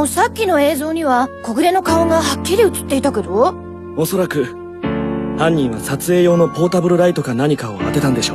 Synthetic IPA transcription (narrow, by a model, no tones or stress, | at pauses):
sakʲːino̞e̞ːzo̞ːɲ̟iβako̞ɡɯ̟ɾe̞no̞kaoɡahakʲːiɾʲiɯ̟t͡sɨ̥t̪ːe̞it̪aked̪o | o̞so̞ɾakɯ̟ | hãɲ̟ːĩɰ̃βasat͡sɨe̞ːjo̞ːno̞po̞ːt̪abɯɾɯ̟ɾait̪o̞kanaɲ̟ikao̞ma̰t̪e̞t̪ãnd̪e̞ɕo̞ː